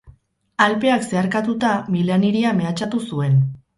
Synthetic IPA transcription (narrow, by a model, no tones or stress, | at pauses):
alpe̞akse̞aɾkat̪ut̪amilaniɾiame̞at͡ʃat̪usue̞n